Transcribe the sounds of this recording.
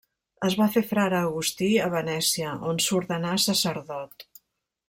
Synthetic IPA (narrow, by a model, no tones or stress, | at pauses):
əzβafefɾaɾəːɣust̪iəβənɛsiəʔonsuɾðənasəsəɾðɔt̪